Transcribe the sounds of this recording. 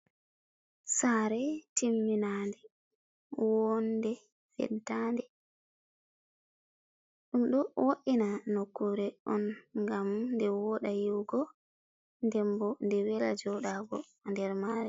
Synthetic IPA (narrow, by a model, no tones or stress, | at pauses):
saːɾɛtimːinandɛ | wɔndɛ | fɛ̰ɗtːandɛ | ɗumɗɔwoʔinanokːuɾɛɔnŋɡamndɛwɔɗajiwɡɔ | ndɛmbɔndɛwɛla̰d͡ʒɔɗaɡɔ̰ | ndɛɾmaːɾi